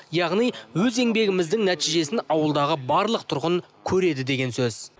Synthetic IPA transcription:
jɑʁnijwɵze̞ŋbe̞ɡʲɪmɪzd̪ɪŋnæt̪ijʒe̞sɪnɑwəlˠd̪ɑʁəbɑɾlˠəq̚t̪ʰʊɾʁəŋ | kʲʰɵɾe̞d̪ɪd̪e̞ɡʲe̞nsɵz̥

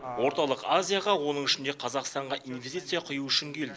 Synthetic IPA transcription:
wo̞ɾt̪ɑlˠəqazʲijaʁɑwo̞nəɴɪʃɪnd̪e̞qʰɑzɑqst̪ɑɴʁɑʔinvʲest̪it̪sɨjɑqʰʊjuʏʃɪŋkʲʰe̞ld̪ɪ

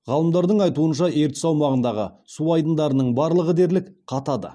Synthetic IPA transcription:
ʁɑlˠəmd̪ɑɾd̪əɴɑjt̪uənʃɑe̞ɾt̪ɪ̥sɑwmɑʁənd̪ɑʁə̰ | suɑjd̪ənd̪ɑɾənəɴbɑɾlˠəʁəd̪e̞ɾlɪkqʰɑt̪ɑd̪ə̰

